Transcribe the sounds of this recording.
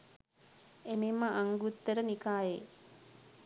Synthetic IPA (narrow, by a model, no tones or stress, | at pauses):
ememːəʔaŋɡut̪ːəɾənikaːje